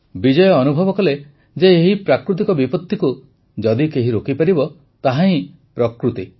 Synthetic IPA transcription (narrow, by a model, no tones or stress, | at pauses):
bid͡ʒɔjɔːnubʱɔbɔkɔle | d͡ʒeːɦipɾakɾut̪̬ikɔbipɔt̪ːiku | d͡ʒɔd̪ikeɦiɾokipaɾibɔ | t̪aɦãĩ | pɾɔkɾut̪i